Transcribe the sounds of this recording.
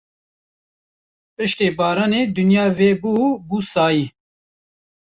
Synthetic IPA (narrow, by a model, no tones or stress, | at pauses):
pɨʃt̪eːbɑːɾaːneːd̪ʊnjaːveːbuːbuːsɑːjiː